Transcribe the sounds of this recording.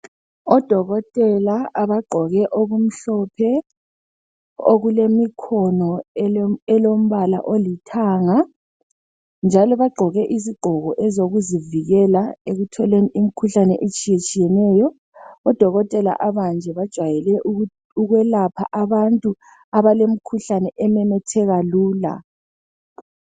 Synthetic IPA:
ɔd̥ʱɔɣɔtʼɛlaaβaɡ͡ǃʱɔɣɛʔoɣum̩ɬɔpʰɛ | o̰ɣulemikʰɔnɔ | ɛlom̩βala̰ʔolitʰaːŋa | nd͡ʒʱalɔβaɡ͡ǃʱɔɣɛʔiziɡ͡ǃʱɔɣɔʔɛzoɣuziviɣɛlaeɣutʰɔleniʔim̩kʰuɬanɛʔet͡ʃʼijet͡ʃʼijɛnɛːjɔ | ɔd̥ʱɔɣɔtʼɛla̰ʔaβand͡ʒʱɛβad̥ʒ̥ʱwajɛlɛʔ | uɣwɛlapʰa̰ʔaβantʼu | aβalem̩kʰuɬanɛʔɛmɛmɛtʰɛɣaluːla̰

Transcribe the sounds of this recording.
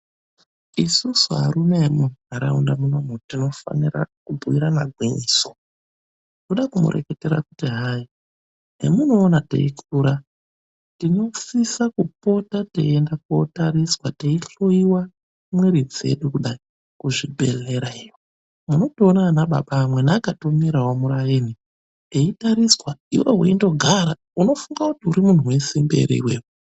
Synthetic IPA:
isusuɦa̰ɾume̞muɦaɾa̰undamunomutino̞fa̰nira̰kubʱuiɾana̰ɡʱwiɲiso̥ | kuɗakumṵɾʔḛketeɾa̰kutiɦai | ɦḛmuno̞ːnatḛikʰuːɾa | tino̞sisakupo̞tatḛendako̰taɾiswateiɬuiwa | mwiɾid͡ze̞̰ɗukuɗai | kuʐibʱe̞̰leɾaiwo | muno̞toːnaːnaɓa̰ɓaːmwe̞naːkatomiɾawomuɾajini | eitaɾiswaḭwe̞̰ɦwḛindo̞ɡʱaɾa | uno̞fuŋɡakutiuɾimun̤uwe̞simbe̞̰ɾḭḭwḛːwu

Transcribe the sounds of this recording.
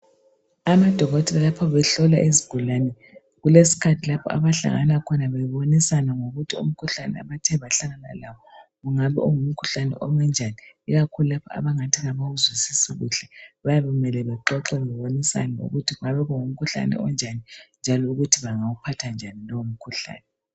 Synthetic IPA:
amad̥ʱɔɣɔtʰɛlalapʰɔβɛɬɔlaʔiziɡ̥ʱulanɛ | ɣulesi̥kʰatʰilapʰɔ̰a̰βaɬa̰ŋa̰nakʰɔnaβɛjiβonisanaŋoɣutʰiṵm̩kʰuɬanɛ̰a̰βatʰɛβaɬaɣana̰laβɔ | ɣuŋaβɛʔuŋum̩kʰuɬanɛ̰ʔɔŋwɛnd͡ʒʱaniiɣakʰululapʰɔa̰βaŋatʰiɣaβawuzwisisiɣṵɬɛβajaβɛɣumɛlɛβɛǃɔǁɛβɛβonisa̰nɛŋo̰ɣutʰiɣuŋaβɛɣuŋum̩kʰuɬa̰nɛ̰ɔnd͡ʒʱanind͡ʒʱalɔuɣutʰiβaŋawupʰatʰand͡ʒʱanilɔwum̩kʰuɬa̰ːnɛ

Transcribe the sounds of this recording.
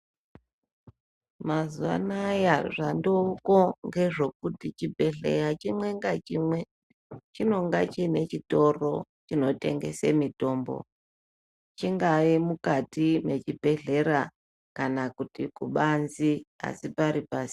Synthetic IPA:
mazuʋa̰najaʐandouko̞ŋɡe̞ʐo̞k̚utit͡ʃibʱe̞ɮe̞rat͡ʃimwe̞ŋɡat͡ʃimwe̞ | t͡ʃino̞ŋɡat͡ʃine̞t͡ʃito̞ro̞t͡ʃino̞te̞̰ŋɡe̞̰sḛmito̞ːmbo̞̰ | t͡ʃiŋɡaimukatime̞t͡ʃibʱe̞ɮe̞ɾa | kanakutikuɓanzia̰sipaɾipaːsi̥

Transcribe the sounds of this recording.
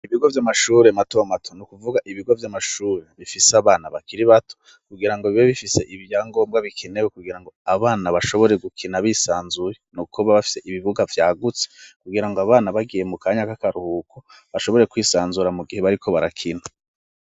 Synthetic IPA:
iβiɡo̞vjamaʃuːɾe̞matomatʰonukuvuɡaʔiβiɡo̞vjamaʃuːɾe̞βifiseaβaːnaβakiɾiβatʰo̥ | kuɡiɾaŋɡoβiβoβifise̞ʔiβjaːŋɡo̞ːmbɡaβikʰinewekuɡiɾaŋɡo̞aβaːnaβaʃo̞βo̞ɾe̞ɡukʰinaβisaːnzujenukʰuβaβafi̥se̞ʔiβiβuɡavjaːɡut͡se̥kuɡiɾaŋɡoaβaːnaβaɡije̞mukaːɲakakaɾuhukʰo | βaʃo̞βo̞ɾe̞kwiːsaːnzuɾamuɡihe̞βaɾikʰo̞βaɾakʰina

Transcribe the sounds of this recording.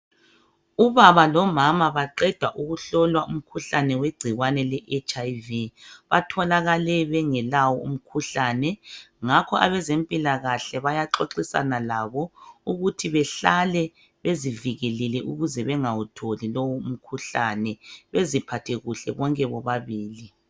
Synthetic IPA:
uβaβalɔmamaβaǃɛd̥ʱwaʔuɣuɬɔlwaʔum̩kʰuɬanɛweɡ͡ǀ̥ʱiɣwanɛlɛʔet͡ʃʼajviβatʰɔlaɣalɛβɛŋɛlawɔṵm̩kʰuɬanɛŋakʰɔʔaβɛzempʼilaɣaɬɛβajaǁoǁisa̰nalaβɔuɣutʰiβɛɬalɛ | βeziviɣɛlɛlɛʔuɣuzɛβɛŋawutʰolilowɔum̩kʰuɬanɛβezipʰatʰɛɣuɬɛ̰βɔŋkʼɛβɔβaβiːli

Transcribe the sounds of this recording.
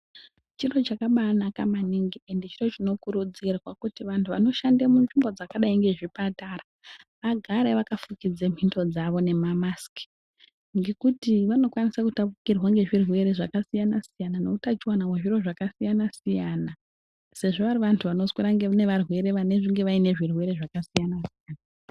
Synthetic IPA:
t͡ʃiro̞t͡ʃakaɓanakamaniŋɡiendet͡ʃiro̞t͡ʃino̞kuɾud͡zirwakutiʋantʰuʋa̰no̞ʃandemunʐimbo̞d͡zakaɗaiŋɡe̞ʐipatara | ʋaɡʱaɾeʋakafukid͡zem̤ʱinto̞d͡zaʋo̞ne̞mamaski̥ | ŋɡe̞kutiʋano̞kwanisakutapukirwaŋɡe̞ʐirwe̞ɾeʐakasijanasijananoutat͡ʃiwanaweʐiro̞ʐakasijanasijana | se̞ʐo̞ʋaɾiʋantʰuʋano̞swiɾaŋɡene̞ʋarwe̞ɾe̞ʋane̞ʐiŋɡe̞ʋaine̞ʐirwe̞ɾe̞ʐakasijanasijaːna

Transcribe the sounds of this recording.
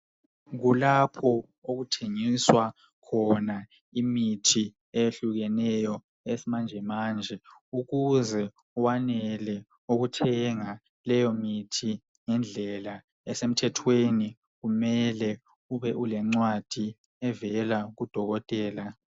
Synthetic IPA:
ɣulapʰɔ | oɣutʰeŋiswa | kʰɔna | imitʰi | ejeɬuɣɛnɛjɔ | esimand͡ʒʱɛmaːnd͡ʒʱɛuɣuzɛ | uwanɛlɛ | oɣutʰɛŋa | lɛjɔmitʰi | ŋɛnd͡ɮʱɛla | ɛsem̩tʰɛtʰweni | ɣumɛlɛ | uβɛʔulɛŋ͡ǀwad̥ʱi | ɛvɛlaɣud̥ʱɔɣɔtʼɛːla

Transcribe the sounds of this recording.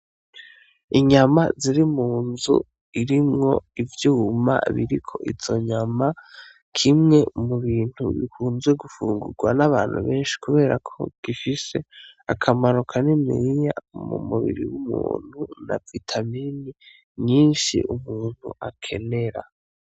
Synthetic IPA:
iɲamaziɾimuːnzṵ | iɾimŋo̞̰ivjuːma̰βiɾikʰo̞̰ʔiz̥o̞ɲama | kʰimŋe̞muβiːn̥huβḭkʰuːnzweɡufuːŋɡuɾɡwanaβaːn̥hṵβe̞ːnʃi̥kʰuβe̞ːɾakʰo̞̰ɡ̥ifise̞akʰamaɾukʰanimḭɾija̰mṵmuβḭɾḭwumṵːn̥huna̰vitʰamini | ɲiːnʃḭʔumuːn̥hṵʔakʰe̞ne̞ɾa

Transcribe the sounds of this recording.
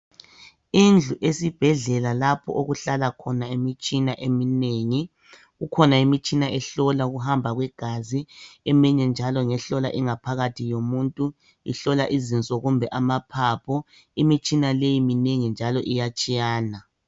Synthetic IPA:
ind͡ɮʱuʔesib̥ʱɛɮɛlalapʰɔ̰ʔoɣuɬalakʰɔnaemit͡ʃʼinaʔemineŋi | ɣukʰɔnaimit͡ʃʼinaʔɛɬɔlaɣuɦambʱaɣwɛɡ̥ʱaziɛmiɲɛnd͡ʒʱalɔŋɛɬɔla̰ʔiŋapʰaɣatʰijomuntʼu | ḭɬɔlaʔizint͡sʼɔɣumbʱɛʔamapʰapʰɔ | imit͡ʃʼinalejimineŋind͡ʒʱalɔʔijat͡ʃʼijaːna

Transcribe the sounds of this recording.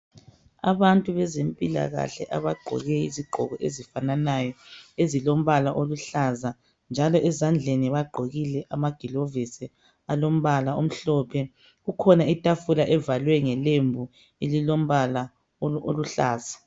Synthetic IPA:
a̰βantʼuβɛzempʼila̰ɣa̰ɬɛ̰ʔaβaɡ͡ǃʱɔ̰ɣɛḭziɡ͡ǃʱɔ̰ɣɔʔḛzifananajɔezilom̩βalaʔoluɬaza | nd͡ʒʱalɔʔɛzand͡ɮʱeniβaɡ͡ǃʱoɣilɛʔamaɡ̥ʱilovisi | alom̩βalaom̩ɬɔːpʰɛ | ɣukʰɔnaitʼafulaʔɛvalwɛŋɛlembʱu | elilom̩βala | ooluɬaːza

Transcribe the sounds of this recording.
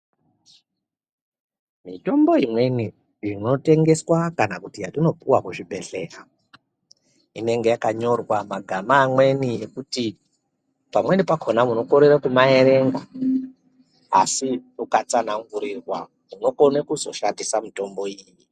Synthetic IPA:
mito̞mbo̞imwe̞ni | ʐino̞te̞ŋɡe̞swakanakutijatino̞puwakuʐiɓe̞ɬe̞ːra | ine̞ŋɡe̞jakaɲo̞rwamaɡʱamaːmwe̞nijekuti | pamwe̞nipakʰonamuno̞koɾeɾakumae̞ɾe̞ŋɡa | a̰siukat͡sanaŋɡuɾirwa̰ | muno̞konekuzo̞ʃandisamito̞mbo̞iːjji

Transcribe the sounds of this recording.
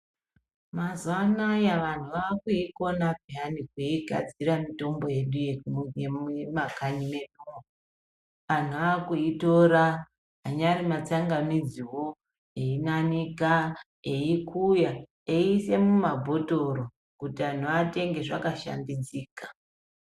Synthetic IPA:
mazwanajaʋan̤uʋaːkuiko̞nabʱianikuiɡʱa̰d͡ziɾamito̞mbo̞je̞ɗujejemakaɲime̞no | ʋan̤uaːkuito̞ɾa | ɦaɲaɾimat͡saŋɡamid͡ziwo̞ | einanika | eikʰuja | eise̞mumabʱo̞to̞ɾo | kutiʋan̤uʋate̞ŋɡe̞ʐakaʃa̰ndid͡ziːkḁ

